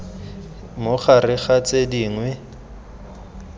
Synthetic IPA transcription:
mʊχarɪχat͡sʼediːŋwɛ

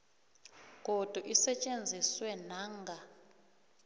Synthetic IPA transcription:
kod̥ʱuʔisɛt͡ʃʼend͡zʱiswɛnaːŋɡʱa

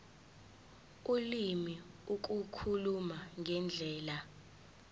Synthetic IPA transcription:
ulimiuk̬ʼukʰulumaŋʱɛnd͡ɮʱɛːla

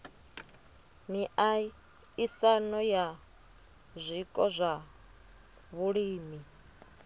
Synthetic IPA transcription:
miʔai | isanɔja | zʷikʼɔzʷa | βuɺiːmi

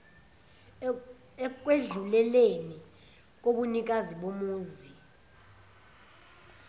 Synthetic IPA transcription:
k̬ʼweɮulɛleni | k̬oɓunik̬ʼaziɓomuːzi

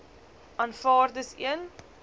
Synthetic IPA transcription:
ɐːnfɑːrdəsḭən

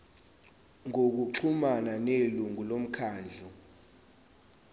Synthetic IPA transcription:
ŋok̬uǁʰumananeluŋulom̩kʰaːnd͡ɮʱu

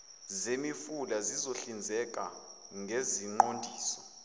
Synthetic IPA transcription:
zemifulazizoɬind͡zʱɛk̬ʼa̰ | ŋɡʱeziŋ͡ǃondʱiːsɔ

